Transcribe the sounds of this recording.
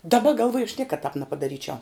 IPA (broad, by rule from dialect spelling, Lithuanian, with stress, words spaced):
dɐˈbɐ ɡɐlˠˈʋuɔjʊ ɐʃ ˈnʲiɛkɐt tɑːp nʲɛpɐdɐˈrʲiːt͡ʃʲɛʊ